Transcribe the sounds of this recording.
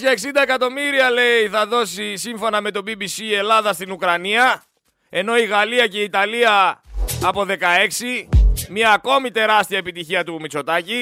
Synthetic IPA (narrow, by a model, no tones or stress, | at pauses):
ɐeksind̪ɐekɐt̪o̞miɾiɐle̞iθɐðo̞sisiɱfo̞nɐme̞t̪o̞bibisie̞lɐðɐst̪inukɾɐniɐ | e̞no̞iɣɐliɐce̞it̪ɐliɐː | po̞ðe̞kɐe̞ksimiɐːko̞mit̪e̞ɾɐst̪iɐepit̪içiɐt̪umit͡so̞t̪ɐci